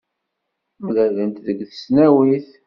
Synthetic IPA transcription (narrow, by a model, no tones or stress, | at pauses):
mlælənt̪ðəɡθə̥snæwiθ